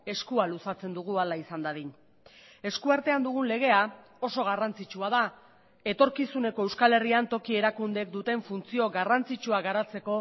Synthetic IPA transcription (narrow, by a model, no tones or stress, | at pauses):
e̞skualusat͡se̞nd̪uɣ̞ualaisand̪aðin | e̞skuaɾt̪e̞and̪uɣ̞unle̞ɣ̞e̞a | o̞so̞ɣ̞arant͡sit͡ʃuað̞a | e̞t̪o̞ɾkisune̞ko̞ewskale̞riant̪o̞kie̞ɾakund̪e̞kd̪ut̪e̞ɱfunt͡sio̞ɡarant͡sit͡ʃuaɣaɾat͡se̞ko̞